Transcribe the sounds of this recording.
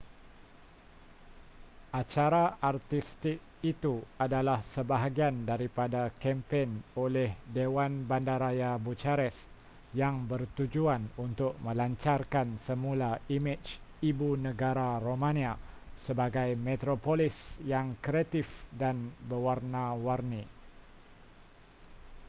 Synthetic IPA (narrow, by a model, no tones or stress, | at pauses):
ʔat͡ʃaɾaʔart̪ist̪ɪk̚it̪uadalahsəbaɦaɡiandaɾipadakɛmpɛnolɛhdewanbandaɾajabut͡ʃaɾɛs | jaŋbərt̪ud͡ʒuanunt̪ʊk̚mə̃laɲt͡ʃarkansəmulaimɪt͡ʃ | ibunəɡaɾaɾomãnia | səbaɡajmɛt̪ɾopolisjaŋkɾiat̪ɪfdanbəwarnawarni